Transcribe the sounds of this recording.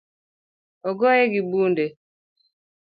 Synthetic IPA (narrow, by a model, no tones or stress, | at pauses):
ɔɡɔɛɡibunde